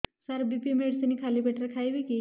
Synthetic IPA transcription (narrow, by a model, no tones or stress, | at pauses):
səɾbipimeɽsənikʰaliːpeʈɾəkʰajʋiki